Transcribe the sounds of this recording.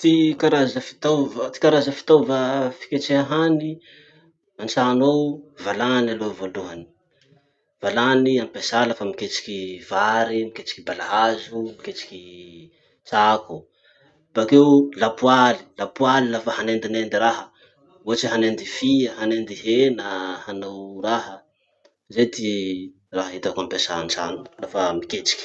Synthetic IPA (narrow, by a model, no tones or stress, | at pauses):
t̪ikaɾazəfi̥t̪avət̪i̥kaɾazəfi̥t̪avafi̥kʲet͡seɦaɦani | ant͡sanowvalanalovoluɦani̥ | v̥alaniampesaləfamiket͡ʃi̥kʲivaɾimiket͡si̥kibalaɦazumiket͡si̥ki | t͡saku | b̥akewlapuali̥lapualilafahanend̪inend̪iɾaɦə | uɦat͡ʃiɦanend̪ifiəɦanend̪iɦenəhanawraɦə | zet̪i | raɦaɦit̪akampesant͡sa̰nlafamiket͡si̥kʲi̥